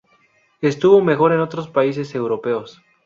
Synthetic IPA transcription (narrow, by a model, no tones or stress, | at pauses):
est̪uβo̞me̞xo̞ɾe̞not̪ɾospais̬e̞se̞wɾo̞pe̞os